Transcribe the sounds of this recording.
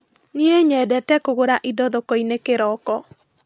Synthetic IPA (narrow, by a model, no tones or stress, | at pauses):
nieɲɛdɛtɛkoɣoɾaʔidɔðokɔinekeɾɔkɔ